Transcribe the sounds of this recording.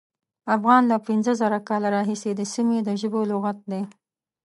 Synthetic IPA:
afɣɑnlapɪnzəzaɾakɑlaɾɑɦised̪əsimed̪əʒəbolʊɣat̪̚d̪e

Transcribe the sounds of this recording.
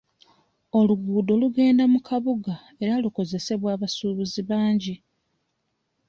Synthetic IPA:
o̞luɡuːdo̞luɡe̞ːndamukʰaβuɡa | e̞ɾaluko̞ze̞se̞βwaːβasuːβuziβaːɲɟi

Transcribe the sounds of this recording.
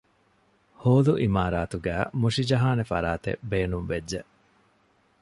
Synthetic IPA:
hoːluʔimaːɾaːt̪uɡæːmuʂid͡ʒɐɦaːnefɐ̰ɾaːt̪ḛbeːnumʋedːeʔ

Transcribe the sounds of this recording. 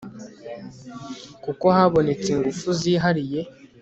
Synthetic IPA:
kuko̞haβo̞ne̞t͡seŋɡufuziːɦaɾije̞

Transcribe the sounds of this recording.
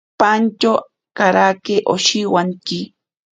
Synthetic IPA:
pant͡ʃo | kaɾakeʔo̰ʃiwaŋkɪ

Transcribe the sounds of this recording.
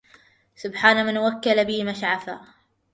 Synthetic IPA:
sʊbħaːnamanwakːalabɪːmaʃʕafa̰

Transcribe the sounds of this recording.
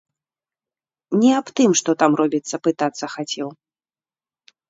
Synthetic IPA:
nʲɛapt̪ɨmʂt̪ɔt̪amrɔbʲit̪sːɐpɨt̪at̪sːɐxat͡sʲɛw

